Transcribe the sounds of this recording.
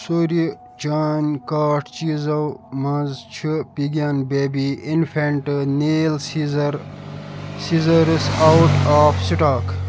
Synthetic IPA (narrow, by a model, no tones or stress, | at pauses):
soɾi | t͡ʃaːnʲkaːʈʰt͡ʃiːzɐwmɐ̃zt͡ʃʰipiɡaːnbeːbiinfʰeɳʈɨneːlsizɾ | sizɐɾsawʈaːfsiʈaːk